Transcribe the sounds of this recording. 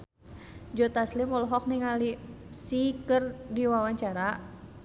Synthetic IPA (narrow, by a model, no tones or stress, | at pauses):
d͡ʒɔt̪aslimɔlɦɔk̚niŋalisikɨrdiwawaɲt͡ʃaɾa